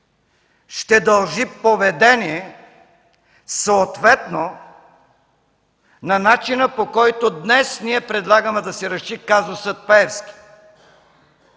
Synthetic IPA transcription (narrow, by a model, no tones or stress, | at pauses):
ʃt̪ɛd̪ɐlˠʒipovɛd̪ɛniɛ | soːt̪vɛt̪no | nɐnat͡ʃinəpokɔjt̪od̪nɛsniɛpɾɛd̪lˠaɡəmɛd̪ɐsɛɾɐʃikazosət̪̚pɛɛfski̥